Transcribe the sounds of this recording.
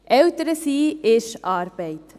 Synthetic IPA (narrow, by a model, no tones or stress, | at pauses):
ʔɛwt̪əɾəsiːɪʃɑːɾb̥ɛɪt